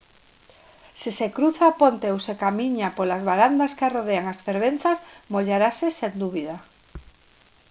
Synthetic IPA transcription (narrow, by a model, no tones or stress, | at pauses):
sisekɾuθaːpont̪eowsekamiɲapolazβaɾand̪askaroð̞eaŋasfeɾβ̞enθasmoʎaɾasesend̪uβiða